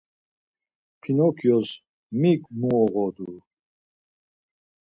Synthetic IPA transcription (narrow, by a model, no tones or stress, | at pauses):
pʰinɔkʰjɔz | mikmuɔʁɔd̪u